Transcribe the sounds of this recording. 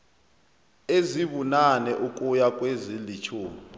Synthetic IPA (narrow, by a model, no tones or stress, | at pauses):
eziβunanɛʔukʼujakʼwezilit͡ʃʰuː